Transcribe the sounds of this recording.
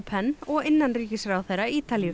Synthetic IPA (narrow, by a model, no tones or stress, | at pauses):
pʰɛnːɔɣɪnːanriːcɪsɾawθejɾːaiːt̪alijʏ